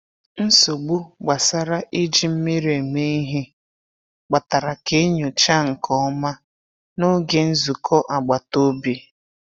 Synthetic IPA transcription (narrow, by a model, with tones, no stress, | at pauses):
n̩˦so˨ɡ͡bu˦ɡ͡ba˨sa˦ɾa˦ʔi˦d͡ʒi˦m̩˦me˦ɾe˨me˦i˦ɦi˦ | ɡ͡ba˨ta˨ɾa˨ke˦ɲʊ˨t͡ʃa˦ŋ̩˨kɔ˦ma˦ | no˦ɡe˨n̩˦zu˨kʰɔ˦ʔa˨ɡ͡ba˨to˦bi˦